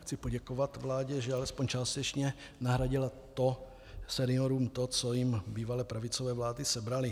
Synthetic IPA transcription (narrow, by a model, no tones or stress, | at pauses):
xt͡sɪpoɟɛkovat̪vlaːɟɛʒɛalɛspoɲt͡ʃaːst̪ɛt͡ʃɲɛ | naɦɾaɟɪlat̪o | sɛnɪoɾuːmt̪ot͡sojɪmbiːvalɛːpɾavɪt͡sovɛːvlaːdɪsɛbɾalɪ